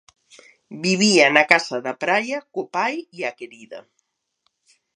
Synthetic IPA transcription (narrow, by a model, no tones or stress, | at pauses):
biβianakasɐðɐpɾajɐkopajiakeɾiðɐ̰